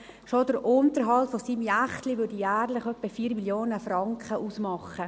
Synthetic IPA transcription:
ʃodəɾʔʊntəɾɦɑltfosiːmjæχtliʋɾdijæːɾlɪχœpːəfiːɾmiljoːnəfɾɑŋkχəʔuːsmɑχə

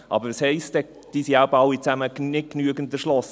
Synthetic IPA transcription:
ʔɑ̰bəɾəshɛɪstɛ | d̥iːsiabɑwit͡sæmənɪt̚knyəɡəntəʃlɔs

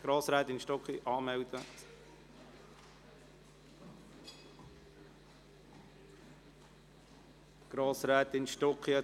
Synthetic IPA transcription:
ɡ̥ɾoːsɾɛːt̪ɪnʃtɔkχiʔɑːmɛwd̥̪ə | ɡ̥ɾoːsɾɛːt̪ɪnʃtɔkχiɛ

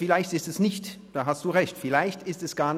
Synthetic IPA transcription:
fɪlaɪçtɪstɛsnɪçtd̥aːɦastd̥uːʁɛçtfɪlaɪçtɪstɛsɡ̥aːɐn

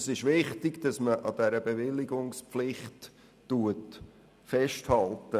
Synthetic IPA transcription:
sɪʃʋɪχtɪɡd̥ɑsməʔɑd̥̪æɾəbeʋɪlːiɡʊŋspflɪχtː | uət | fɛʃthɑltə

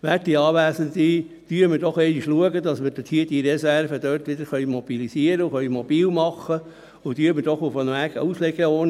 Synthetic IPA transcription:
ʋæt̚d̥iːɑːʋæːsənt̪i | d̥yːɾmədɔχɛɪniʃluəɡəd̪ɑsmɪɾd̥et̪hiəd̥iːɾɛsæɾvəd̥̪øːrtʋɪd̪əɾχœʏmɔb̥ilisiəɾəuxœʏmɔb̥iːlmɑχə | ʊd̥yːɾməd̥ɔχofɑnəmæɡə̰uslɛɡəoːn

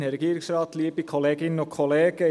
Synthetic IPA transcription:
nɛɾɛɡiːɾɪksrɑːt̪liːbikʰoleːɡɪnənʊkʰoleːɡ̥ə

